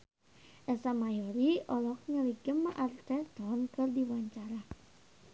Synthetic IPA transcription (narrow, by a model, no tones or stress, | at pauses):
ʔɛsamajoɾiɔlɔk̚ŋəliɡəmːaʔart̪ɛt̪ɔnkɨrdiwaɲt͡ʃaɾa